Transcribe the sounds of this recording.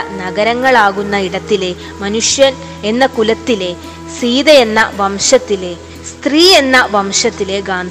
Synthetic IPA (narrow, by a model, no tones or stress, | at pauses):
nɐɡɐɾɐŋːɐɭaːɣunːɐiɽɐt̪ːile̞ | mɐnuʂjɐn | enːɐkulɐt̪ːile̞ | siːd̪ɐje̞nːɐʋɐmʂɐt̪ːile̞ | st̪riːe̞nːɐʋɐmʂɐt̪ːile̞ɡaːnd̪